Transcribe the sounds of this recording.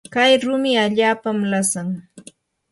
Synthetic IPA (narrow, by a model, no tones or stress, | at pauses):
kajɾʊmɪaʎaːpamlasaŋ